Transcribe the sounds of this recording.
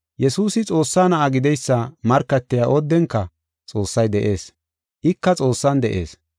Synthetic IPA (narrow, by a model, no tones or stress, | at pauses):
jɛsuːsɪt͡sʼo̞ːsːaːnɐʔɐɡɪd̪ɛjsːɐmɐɾkːɐt̪ːɪjaːʔɔd̪ːɛŋkːɐ | t͡sʼo̞ːsːɐjd̪ɛʔe̞ːs | ʔɪkːɐt͡sʼo̞ːsːɐnd̪ɛʔe̞ːs